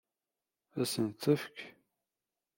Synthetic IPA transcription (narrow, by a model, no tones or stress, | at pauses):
æsənt͡s̪ːəfk